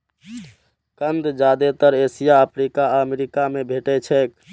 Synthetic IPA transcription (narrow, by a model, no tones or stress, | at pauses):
kənd̪d͡ʒad̪et̪əɾesijaəpʰɾikaəmeɾikamebʱeʈɛt͡ʃʰɛk